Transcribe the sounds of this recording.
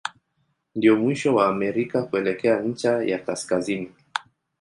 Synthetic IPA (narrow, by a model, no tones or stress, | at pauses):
ndiɔmwiʃɔwaːmɛɾikakuɛlɛkɛaɲ̩t͡ʃaja̰kaskazini